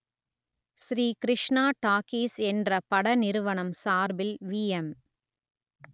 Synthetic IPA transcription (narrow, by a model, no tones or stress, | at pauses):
sɾiːkɾɪʂɳaːʈaːkiːsɛndrɐpɐɽɐnɪɾɯʋɐɳɐmsaːɾbɪlʋiːɛm